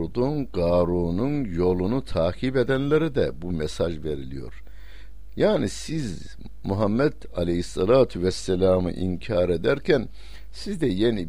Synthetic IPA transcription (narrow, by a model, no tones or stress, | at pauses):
ɾd̪unɡaːɾuːnunjo̞lˠunut̪ʰaːkʰibed̪ænlʲeɾid̪ɛbumɛsaʒve̞ɾilʲijo̞̰ɾ | jaːnisiz | muɦamːɛd̪̥ | alʲehisːɑlˠaːt̪ʰyvɛsːɛlʲaːmɯ̰ʔḭncʰaːɾed̪æɾcʰæn | sizd̪ɛjeni